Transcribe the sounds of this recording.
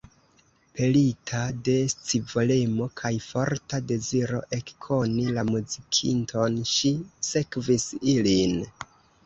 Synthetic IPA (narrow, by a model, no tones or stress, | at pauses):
pʰelitʰade̞st͡sivolemo̞kʰajfo̞ɾtade̞ziɾo̞̰ʔe̞kkʰo̞nilamuzikʰḭntʰo̞nʃise̞kvisilin